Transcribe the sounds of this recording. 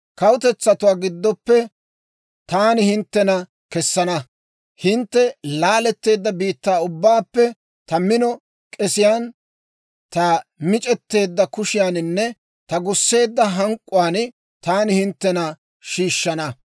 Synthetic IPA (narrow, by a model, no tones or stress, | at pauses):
kɐwʊt̪ɛt͡sːɐt̪ʊwaːɡɪd̪ːɔpːɛ | t̪aːnɪhɪnt̪ːɛnɐ | kɛsːɐnɐ | hɪnt̪ːɛlaːlɛt̪ːe̞ːd̪ːɐbiːt̪ːaːʊbːaːpːɛ | t̪ɐmɪnɔ | kʼɛsɪjaːn | t̪ɐmɪt͡ʃʼɛt̪ːe̞ːd̪ːɐkʊʃɪjaːnɪnːɛ | t̪ɐɡʊsːe̞ːd̪ːɐɦɐŋkʼːʊwaːn | t̪aːnɪhɪnt̪ːɛnɐ | ʃiːʃːɐnɐ